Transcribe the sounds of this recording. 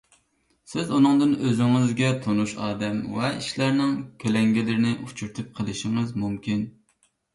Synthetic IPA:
sɪzunɨŋd̪ɨnøzɪŋɨzɡʲɛt̪ʰonuʃɑːd̪ɛmvɛiʃlæɾnɪŋkʲʰølɛŋɡʲilɪɾɪnɪʔut͡ʃʰuɾt̪ʰɨp̚qʰəlˠɪʃɪŋɨzmumkʲin

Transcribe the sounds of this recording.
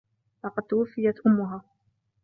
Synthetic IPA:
lɑqɑd̪̚t̪awafːɪjat̪ʔʊmːʊɦaː

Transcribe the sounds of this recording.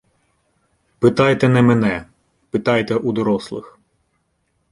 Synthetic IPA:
pɪt̪ɑjt̪ɛnɛmɛnɛ | pɪt̪ɑjt̪ɛʔud̪ɔɾɔslˠɪx

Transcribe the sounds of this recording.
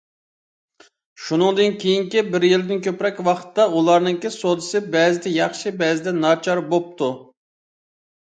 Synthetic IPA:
ʃunɨŋd̪ɨnkʲʰejiŋkʲibɪɾjilɪd̪ɪnkʲʰøpɾɛkʲwɑχt̪ːɑulˠɑɾnɨŋkʲisod̪ɨsɨbɛzɪd̪ɛjɑχʃibɛzɪd̪ɛnɑt͡ʃʰɑɾbop̚t̪ʰu

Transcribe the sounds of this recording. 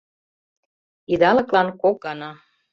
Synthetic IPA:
id̪ɑlɤ̆klɑnkokɑnɑ

